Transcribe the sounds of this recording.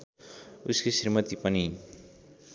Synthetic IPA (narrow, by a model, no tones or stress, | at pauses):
uskesirmʌt̪ipʌni